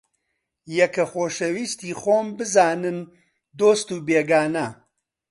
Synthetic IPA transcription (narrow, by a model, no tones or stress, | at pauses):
jɛkɐxoːʃɐwiːst̪iːxoːmbɨzaːnɨn | d̪oːst̪uːbeːɡaːnɐ